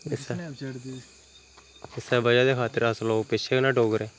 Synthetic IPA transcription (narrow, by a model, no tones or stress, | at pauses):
ɪsɽd̪i | ɪsɛːbəd͡ʒaːd̪eːkʰaːt̪əɾəsloːɡpɪʃʰeːkːnaːɖoːɡəɾeː